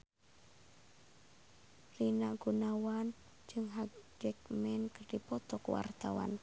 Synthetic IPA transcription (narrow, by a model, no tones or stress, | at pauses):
rinaʔɡ̥unawan | d͡ʒɨŋɦad͡ʒɛk̚mɛnkərdipɔt̪ɔkwa̰rt̪awa̰n